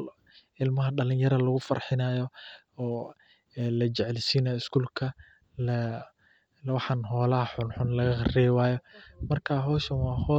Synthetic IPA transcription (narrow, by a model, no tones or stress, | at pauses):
ɪlmɐɦɐɖɐlɪnjɐɾɐlɐɣʊfɐ̰rħɪnaːjɔ | ɔː | lɐt͡ʃɛʕɛlɪsiːnaɪskʰuːlkʰɐ | lɐ | wɑħɑnɦɔːlɐɦɐħʊnħʊnlɐɣɐχɑrɛwaːjɔmɐrkʰaːɦɔːʃɐnwɑːhɔː